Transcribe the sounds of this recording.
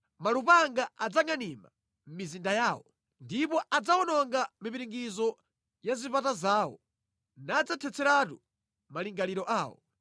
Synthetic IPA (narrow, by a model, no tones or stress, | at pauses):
malupaŋɡaad͡zaŋanima̰ | m̩mizindajaːwɔ | ndipɔʔad͡zawɔnɔŋɡamipiɾiŋɡizɔ | jazipatazaːwɔ̰ | naːd͡zatʰɛt͡sʰɛɾatu | maliŋɡaliɾɔʔaːwɔ̰